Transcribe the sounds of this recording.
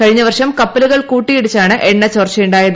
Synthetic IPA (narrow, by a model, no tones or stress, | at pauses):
kɐɻiɲːɐʋɐrʂɐmkɐpːɐluɣɐɭkuːʈːijeɽut͡ɕːaːɳɨʔeɳːɐt͡ɕoːrt͡ɕːɐjuɳɖaːjɐðɨ